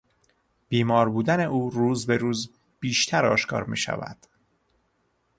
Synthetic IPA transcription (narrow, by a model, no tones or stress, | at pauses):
b̥iːmɒːɾbuːd̪æne̞ʔuːɾuːzbe̞ɾuːz | b̥iːʃt̪ʰæɾɒ̰ːʃkʰɒ̰ːɾmḭːʃæ̰væ̰d̪̥